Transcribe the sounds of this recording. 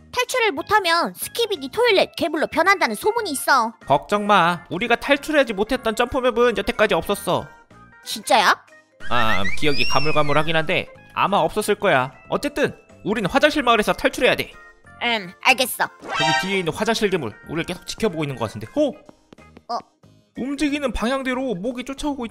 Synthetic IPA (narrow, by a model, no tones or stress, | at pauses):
tʰaɭt͡ɕʰuɾɯɭmotʰamjʌnsʰɯ̥kʰibiditʰoiɭːet̚ke̞buɭːopjʌnɦandanɯnsʰomuɲiːs͈ʌpʌk̚t͡ɕ͈ʌŋmauɾiɡatʰaɭt͡ɕʰuɾɦe̞jad͡ʑimotʰe̞t̚t͈ʌnt͡ɕ͈ʌmpʰomjʌbɯnjʌtʰe̞k͈ad͡ʑiʌp̚s͈ʌs͈ʌ̰ | t͡ɕint͡ɕ͈aja | a̰kijʌɡikamuɭɡamːuɾhaɡinɦande̞̰a̰maʌp̚s͈ʌs͈ɯɭk͈ʌjaʌ̰t͡ɕ͈e̞t͈ɯn | uɾinɯnɸwad͡ʑaŋɕʰiɭmaɡɯɾe̞sʰʌtʰaɭt͡ɕʰuɾe̞jade̞maɭɡe̞s͈ʌkɯɡikieinɯnɸwad͡ʑaŋɕʰiɭɡemṵɭṵɾiɾɯɭke̞sʰo̥k̚t͡ɕi̥kʰjʌboɡoinːɯnɡʌkatʰɯnde̞o | ʌ | umd͡ʑiɡinɯnpaŋɦjaŋdwe̞ɾomoɡit͡ɕ͈ot͡ɕʰaoɡoi